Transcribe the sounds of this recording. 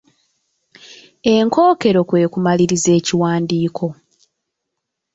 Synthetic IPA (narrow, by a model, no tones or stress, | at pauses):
e̞ŋko̞ːke̞ɾo̞kwe̞ːkumaliɾize̞ːciwaːndiːkʰo̞